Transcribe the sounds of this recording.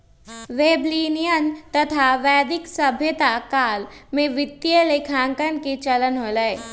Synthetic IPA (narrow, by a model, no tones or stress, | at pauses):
ʋeːbliːnijənt̪ɐt̪ʰaʋɛːd̪ɪksəbʱjət̪akaːlmẽʋɪt̪ːjəlekʰãːŋkənket͡ʃɐlənɦoləe